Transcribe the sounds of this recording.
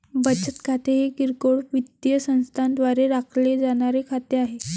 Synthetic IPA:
bət͡ɕət̪kʰat̪ʰeɦekiɾkoɽʋid̪jəsə̃ñst̪ʰand̪ʋaɾeɾakʰled͡zaɽ̃aɾekʰat̪eaɦe

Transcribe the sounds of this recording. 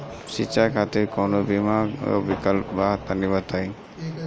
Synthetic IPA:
sit͡ʃakʰat̪ekɔnobimao̰bikəlpbat̪anibat̪aj

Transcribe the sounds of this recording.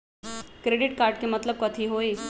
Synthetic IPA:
kɾeɽiʈ̚kaɾʈ̚kiːmət̪ləb̚kət̪ʰiɦoi

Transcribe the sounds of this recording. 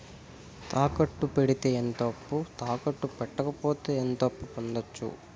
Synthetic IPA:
t̪ʰaːkɐʈːupe̞ɽit̪e̞ːent̪ɐpːut̪aːkɐʈːupɛʈːɐkɐpoːt̪e̞ːent̪ɐpːupond̪ɐt͡ʃːṵ

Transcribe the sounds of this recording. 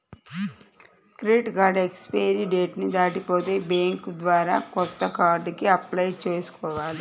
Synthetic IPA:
kɾiːʈɡaːɖekspeːɾiɖeːʈnid̪aːʈipoːt̪e̞ːbeːŋkd̪ʋaːɾaːkɔt̪ːɐkaːɾɖkiɐplɐjt͡ʃeːsu̥kɔːʋaːli

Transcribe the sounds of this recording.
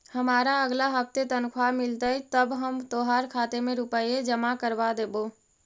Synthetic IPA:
həmaɾaəɡlaɦəp̚ʰt̪et̪ənkʰwamilt̪əjt̪əbɦəmt̪oɦaɾkʰat̪emẽɾupəjed͡ʒəmakəɾbad̪ebo

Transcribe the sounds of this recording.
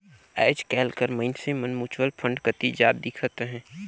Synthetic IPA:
ɛ̰ːd͡ʒkɛːlkəɾməɪnsemənmuːt͡ʃwəlpʰə̃ɳɖkət̪id͡ʒaːd̪̚d̪ɪkʰət̪ɦɛ̃ː

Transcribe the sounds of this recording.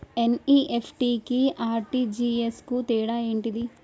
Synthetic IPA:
eniːʔepʰʈikiaːɾʈid͡ʒiːeskut̪ɛːɽaːeːɳʈid̪i

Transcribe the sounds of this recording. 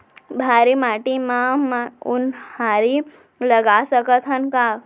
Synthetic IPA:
bʱaɾimaʈimãmaunhaɾi | ləɡasəkət̪ʰɦənka

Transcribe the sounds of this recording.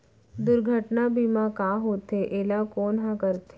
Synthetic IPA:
d̪ʊɾɡʱəʈnabimãkaːɦoːt̪eʔeːlakoːnɦãkəɾt̪ʰe

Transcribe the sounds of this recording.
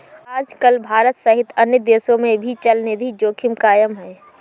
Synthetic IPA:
aːd͡ʒkəlbʱaːɾət̪sɐɦɪt̪ɐnjəd̪eːsõmẽbʱit͡ʃɐlned̪ʱid͡ʒoːkʰɪmkaːjəmɦɛː

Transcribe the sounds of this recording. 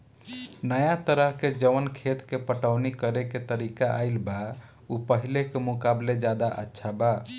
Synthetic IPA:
nəjat̪əɾəɦked͡ʒəʋənkʰet̪kepəʈəʊnikəɾeket̪əɾikaʔa̰jlba | upəɦilekemukabled͡ʒad̪aʔə̰tːʃʰaba

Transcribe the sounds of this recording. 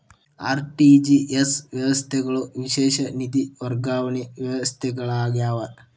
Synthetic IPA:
a̰ːɾʈid͡ʒiesʋjɐʋɐst̪ʰɛɡɐɭoʋiʃeːʃɐnid̪iʋɐɾɡaːʋɐniʋjɐʋɐst̪ʰɛɡɐɭaːɡjaːʋɐ

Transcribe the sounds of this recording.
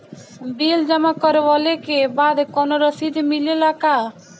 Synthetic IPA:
bild͡ʑɔmakɔɾebɔlekebad̪kɔnoɾɔsid̪ʱmilelaka

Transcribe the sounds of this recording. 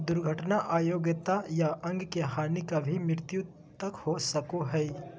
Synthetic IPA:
d̪ʊɾɡʱəʈnaʔaːjoːɡət̪ajaʔɐ̃ŋɡkeɦaːnikabʱimɪɾt̪ju | t̪ɐkhosɐkoɦɛː

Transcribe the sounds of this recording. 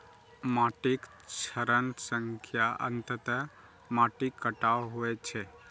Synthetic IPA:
maʈik | t͡ʃʰəɾənsəŋkʰjaʔə̰nt̪ət̪ə | maʈikːəʈawɦuet͡ʃʰe

